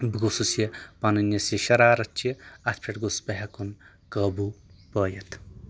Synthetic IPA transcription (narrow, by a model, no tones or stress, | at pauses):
biɡosusjɐpɐnɨnjɐsiʃɐɾaːɾɐt͡ʃiɐt̪ʰpʰeʈɡospɐɦɐkun | kɐːbupɐːjɐt̪ʰ